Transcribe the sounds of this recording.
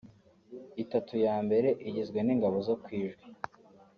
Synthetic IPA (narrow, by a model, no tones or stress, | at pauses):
itatujaːmbe̞ɾe̞ʔiɟizɡwe̞niːŋɡaβo̞zokwiːʒɡwi